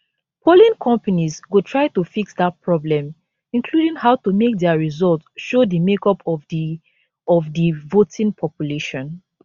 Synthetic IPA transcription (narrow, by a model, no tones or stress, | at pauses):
pʰolĩnkʰɔ̃mpanizɡotʰɹaɪtufiksdat̚pʰɹɔblɛ̃m | ĩnkʰludĩŋhaʊtumek̚dɛaɹizɔltsʃodəmekɔpɔ | ɔvdivotĩŋpʰɔpjuleʃɔ̃n